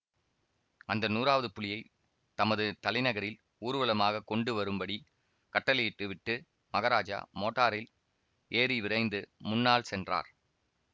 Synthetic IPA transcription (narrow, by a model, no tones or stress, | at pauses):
ɐnd̪ɐnuːɾaːʋɐðɯpʊlɪjɐɪ | t̪ɐmɐðɯt̪ɐlɐɪnɐɣɐɾɪl | uːɾɯʋɐlɐmaːɣɐkːɔɳɖɯʋɐɾɯmbɐɽi | kɐʈːɐlɪjɪʈːɯʋɪʈːɯ | mɐɣɐɾaːd͡ʒa̰moːʈːaːɾɪl | eːɾiʋɪɾɐɪnd̪ɯmʊnːaːlsɛndra̰ːɾ